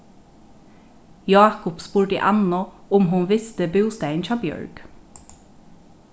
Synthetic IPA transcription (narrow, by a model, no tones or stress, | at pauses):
jɑːkʊpspuːɖə̰ʔɑnɔʊmɦʊnʋɪst̪əbʉːst̪æɪnt͡ʃʰɑːbjœ̰ɹɡ̥